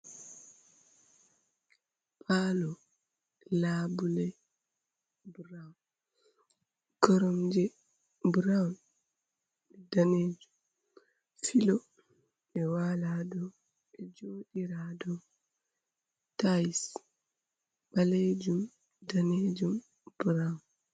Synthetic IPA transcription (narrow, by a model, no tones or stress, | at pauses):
pʰalɔ | labulɛ | bɾawn | ɡ̥ɔɾɔmd͡ʒɛ | bɾawn | ɛdaneːd͡ʒum | filɔ | ɛwalaːdɔ | ʔɛd͡ʒoːɗiɾadɔ | tajs | ɓaled͡ʒum | daned͡ʒum | b̥ɾawn